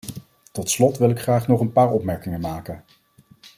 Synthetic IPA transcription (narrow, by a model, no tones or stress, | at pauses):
tɔtslɔtʋɪlɪkχraːχnɔχənpaːɹɔpmɛɹkɪŋənmaːkən